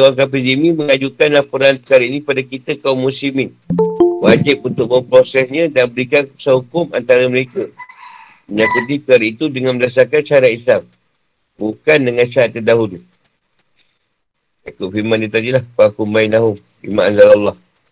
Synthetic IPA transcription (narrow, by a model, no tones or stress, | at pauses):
aŋkap̬id͡ʒimiməŋad͡ʒukanlapuɾanpəkaɾinĩpadakit̪əkaumːusimɪn | wad͡ʒɪp̚unt̪ʊʔ̚məmpɾosɛsɲə̃danbəɾikansaɦukʊmant̪aɾəməɾekə | məɲakut̪̬ipkaɾit̪udəŋanməldas̬akanʃaaɾat̪islam | bukandəŋãnʃaat̪ːədaɦulu | t͡ʃakʊʔfiɾmanːət̪adilahəpakumbainaɦʊm | fḭmaʔanzalɑlːɑh